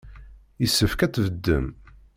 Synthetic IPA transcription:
jəsːəfkæt͡sːvəd̪ːə̰m

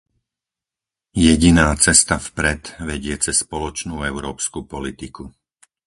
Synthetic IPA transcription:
jɛɟinaːt͡sɛst̪afpɾɛt̪ʋɛɟɪɛt͡sɛspɔlɔt͡ʃnuːɛʊɾɔːpskupɔlit̪iku

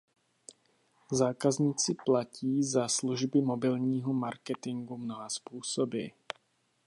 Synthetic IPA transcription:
zaːkazɲiːt͡sɪplaciːzasluʒbɪmobɪlɲiːɦɔmaɾkɛt̪ɪŋɡumnoɦaspuːsobɪ̰

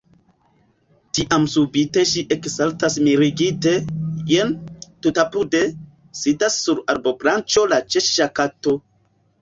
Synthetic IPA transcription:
tiʔamsubite̞ʃiʔeksaltasmiɾiɡite̞jentutapude̞ | sidasːuɾaɾbo̞bɾant͡ʃo̞lat͡ʃeʃʃakato̞

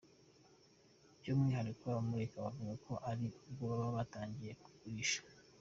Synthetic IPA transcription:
ɟomŋiːɦaɾikoaβamuɾekaβavuɡakʰo̞ʔaɾiɡoβaβaβataːɲɟije̞ku̥kuiʃḁ

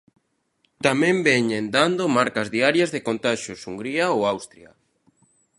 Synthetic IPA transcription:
t̪amɛ̃mbɛɲẽnd̪and̪omaɾkazðiaɾjazðekont̪aʃosuŋɡɾiaoawst̪ɾjɐ

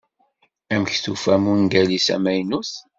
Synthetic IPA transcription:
æməçθufæmunɡælisæ̰mæjnuθ

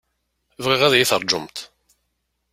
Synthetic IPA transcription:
vʁiʁæðjiθəɾˤd͡ʒʊ̰mt̪

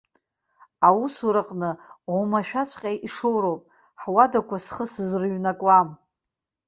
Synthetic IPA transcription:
awusuɾaqʼnɨʕomaʃᶣat͡ʃʷʼqʲʼajʔiʂowɾowpʼ | ħwadakʷʰasχəsɨzrɨɥnakʷʼam

